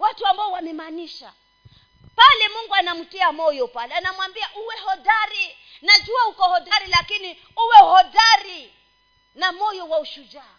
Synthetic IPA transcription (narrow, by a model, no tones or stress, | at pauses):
watuambaɔwamɛmaniʃa | palɛmuŋɡuanam̩tiamɔjɔpalɛnamwambiaʔuwɛhɔdaɾi | nad͡ʒuahukɔhɔdaɾilakini | uwɛuhɔdaɾi | namɔjɔwauʃud͡ʒaː